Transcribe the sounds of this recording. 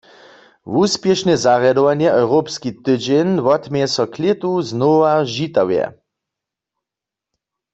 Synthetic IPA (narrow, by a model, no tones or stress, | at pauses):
wuspjɛʃnɛzaʁjad̪ɔʋanjɛʔɔwʁopskit̪ɨd͡ʒenʋɔt̪mɛjɛsɔkʰlet̪uznovaʒit̪awjɛ̰